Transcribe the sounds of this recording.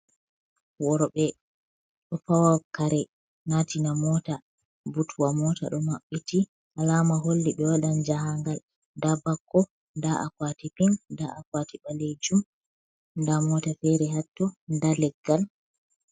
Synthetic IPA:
wɔɾɔɓɛ | ɗɔfawawkaɾɛ | natinamɔta | butuwamɔta̰ɗɔmaɓːiti | ʔalamaɦolːiɓɛwaɗand͡ʒaɦaŋɡal | dabakːɔ | ndaʔa̰kwatipiŋndaʔakwatiɓaled͡ʒum | ndamɔtafɛɾɛɦatːɔndalɛɡːal

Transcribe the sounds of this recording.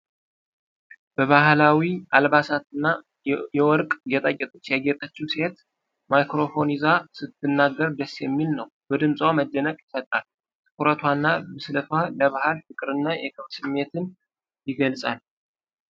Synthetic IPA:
b̥əβahlawialbasat̪ɨnːa | jɛwɔɾkʼɡɛt̪ʼakʼːɛt̪ʼut͡ʃːjaɡet̪ʼət͡ʃːuwse̞t̪ | majkɾo̞fo̞nizasɨt̪ʰːɨnːaɡːəɾd̪əsːjɛmːilnəwbəd̪ɨmsʼwaməd̪ːənəkʼjɪsət̪ʼal | t̪ʰʼɨ̥kʰʼuɾət̪ʰwanːabɨslət̪ʰwaləβahalfɨkʼɨɾɨnːajɛkʰɨβsɨmːe̞t̪ɨn | jɪɡəlsʼal

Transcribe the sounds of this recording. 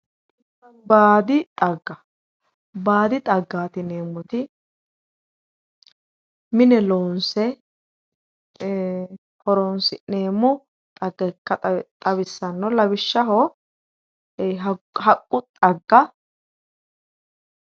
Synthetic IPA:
ɪtːɐnbaːd̪ɪt̪ʼɐɡːɐ | baːd̪ɪt̪ʼɐɡːaːt̪ɪne̞ːmːʊt̪ɪ | mɪnɛloːnsɛ | hɔɾɔnsɪneːmːʊ | t̪ʼɐɡɛkːɐt̪ʼɐβɪsːɐnːɔlɐbɪʃːɐɦɔ | ɦhɐkʼːʊt̪ʼɐɡːɐ

